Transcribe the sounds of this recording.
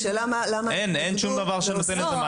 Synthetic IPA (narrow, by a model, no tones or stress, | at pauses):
ʃelamalamaʔenenʃumd̪ɐavaʁʃenot̪enet̪ema